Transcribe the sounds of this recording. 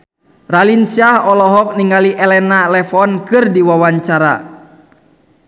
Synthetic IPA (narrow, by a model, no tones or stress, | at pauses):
ralinsiahɔlɔɦɔk̚niŋaliʔɛlɛnalɛfɔnkɨrdiwawaɲt͡ʃaɾa̰